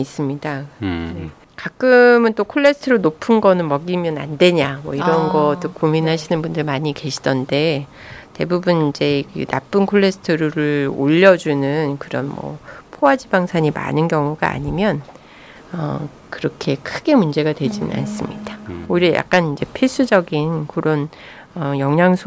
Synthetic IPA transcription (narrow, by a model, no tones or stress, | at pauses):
is͈ɯmɲidane | kak͈ɯmɯnt͈okʰoɭːe̞sʰɯ̥tʰɯɾonopʰɯnɡʌnɯnmʌɡimjʌna̰nde̞ɲamwʌ̰iɾʌnɡʌt͈ok͈ominɦaɕʰinɯnbundɯɭmaɲike̞ɕʰid̥ʌnde̞ | te̞bubunind͡ʑe̞kɯna̰p͈ɯnkʰoɭːe̞sʰɯ̥tʰɯɾuɾɯɭo̰ʎːʌd͡ʑunɯnkɯɾʌ̰nmʌ̰pʰoad͡ʑibaŋsʰaɲima̰nɯnɡjʌŋuɡa̰a̰ɲimjʌn | ʌ | kɯɾʌkʰe̞kʰɯɡe̞mund͡ʑe̞ɡadwe̞d͡ʑinɯ̰na̰ns͈ɯmɲid̥aoiɾejʔa̰k̚k͈anind͡ʑe̞pʰis͈ud͡ʑʌɡinkɯɾʔʌn | ʌjʌŋɦaŋsʰo